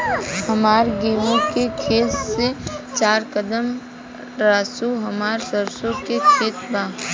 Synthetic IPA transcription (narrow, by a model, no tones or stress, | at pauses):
hɐmaːɾɡeːmõkekʰeːt̪set͡ʃaːɾkəd̪əm | ɾaːsuɦɐmaːɾsəɾsõkekʰeːt̪baː